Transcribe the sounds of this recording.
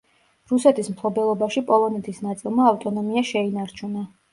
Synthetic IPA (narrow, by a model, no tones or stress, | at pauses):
ɾusɛt̪ʰismpʰlˠɔbɛlˠɔbaʃipʼɔlˠɔnɛt̪ʰisnat̪sʼilˠmaːft̪ʼɔnɔmiaʃɛinaɾt͡ʃʰuna